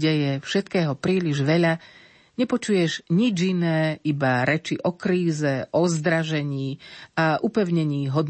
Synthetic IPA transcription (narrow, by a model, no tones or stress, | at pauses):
ɟɛjɛfʃɛt̪kɛːɦɔpɾiːliʒʋɛʎa | ɲɛpɔt͡ʃujɛʒɲid͡ʒinɛːibaɾɛt͡ʃiʔɔkɾiːzɛʔɔzd̪ɾaʒɛɲiːaʔupɛʊɲɛɲiːɦɔd̪